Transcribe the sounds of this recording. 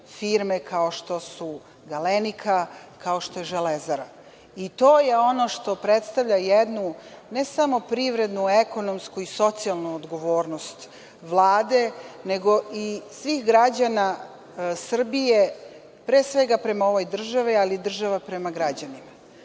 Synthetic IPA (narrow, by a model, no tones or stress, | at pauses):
fiːɾmekao̞ʃt̪o̞su | ɡalenikʰakao̞ʃt̪o̞jeʒelezaɾa | it̪o̞ːje̞o̞no̞ʃt̪o̞pɾet̪st̪aʋʎʲajed̪nune̞samo̞pɾiʋɾe̞d̪nueko̞no̞mskuiso̞t̪sialˠnuod̪ɡo̞ʋo̞ːɾnost̪ | ʋlˠaːd̪e̞ne̞ɡo̞isʋixɡɾad͡ʑana | sr̩bije̞ | pɾeːsʋe̞ɡapɾe̞mao̞ʋo̞jd̪r̩ʒaʋialid̪r̩ʒaʋapɾe̞maɡɾad͡ʑanima